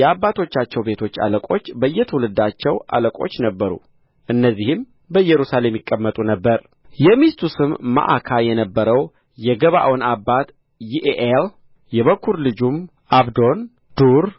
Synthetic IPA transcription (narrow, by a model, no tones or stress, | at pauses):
jɛabːat̪ʰo̞t͡ʃːat͡ʃːɛwbe̞t̪ʰo̞t͡ʃːa̰ləkʼo̞t͡ʃːbəjːɛt̪ʰəwulɨd̪at͡ʃːɛwʔa̰ləkʼo̞̰t͡ʃːnəbːəɾṵ | ʔɨnːəzːihɨm | bəjːɛɾusale̞mːjɪkʼːəmːət̪ʼunəbːəɾ | jɛmist̪ʰusɨmːa̰ʔakʰajɛnəbːəɾəw | jɛɡəβa̰ʔwonabːat̪ | jiʔeʔel | jɛβəkʰːuɾlɨd͡ʒum | ʔaβd̪o̞n | d̪̥uɾ